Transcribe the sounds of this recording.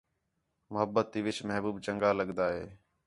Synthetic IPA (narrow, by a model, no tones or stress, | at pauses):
mʊɦəbːət̪ːiːʋɪt͡ʃməɦbuːbt͡ʃəŋɡaːləɠnd̪aːɦeː